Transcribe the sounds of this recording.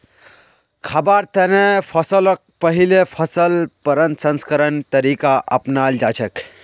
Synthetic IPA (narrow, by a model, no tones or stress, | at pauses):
kʰɐbaɾt̪ənepʰəsələk̚pəɦilepʰəsəlpəɾə̃nt̪sənskəɾənt̪əɾikaʔə̰pnald͡ʒaːt͡ʃʰək